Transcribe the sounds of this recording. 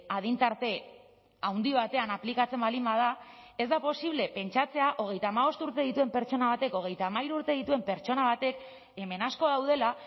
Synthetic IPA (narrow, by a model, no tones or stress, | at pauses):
aðint̪aɾt̪e̞ | awnd̪iβ̞at̪e̞anaplikat͡se̞mbalimbað̞ae̞zd̪apo̞siβ̞le̞pe̞nt͡ʃat͡se̞aʔo̞ɣ̞e̞jt̪aːmaβ̞o̞st̪uɾt̪e̞ðit̪ue̞mpe̞ɾt͡ʃo̞naβ̞at̪e̞ko̞ɣ̞e̞jt̪aːmaiɾuɾt̪e̞ð̞it̪ue̞mpe̞ɾt͡ʃo̞naβat̪e̞k | e̞me̞nasko̞ðawðe̞la